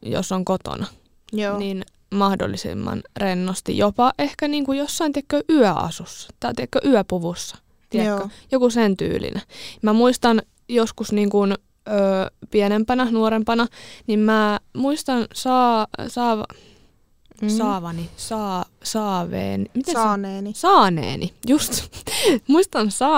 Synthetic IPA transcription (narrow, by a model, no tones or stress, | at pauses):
jo̰sːoŋkot̪o̰nɑ | onin | mɑhdo̰lːisḭmːɑ̰nrenːost̪ḭjopɑʔʔehkæniːŋkujosːɑint̪ekːøʔyœʔɑ̰susːɑ̥t̪ɑt̪eækːøʔyæpuʋusːɑ̥ | t̪iɛkːøjokusent̪y̰ːlḭnʔæmæmuist̪ɑn | joskusniːŋkun | øːpienempænɑnuoɾempɑnɑnimmæːmuist̪ɑnsɑːsɑːʋɑ̰ | sɑːʋɑnisɑː | sɑːʋḛːnimit̪eneːnsɑːnḛːnijust̪muist̪ɑnsɑː